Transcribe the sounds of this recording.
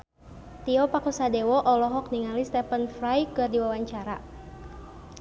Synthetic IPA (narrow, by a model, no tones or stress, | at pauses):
t̪iɔpakusadɛwɔʔɔlɔɦɔk̚niŋalist̪ɛpənfrajkɨrdiwawaɲt͡ʃaɾa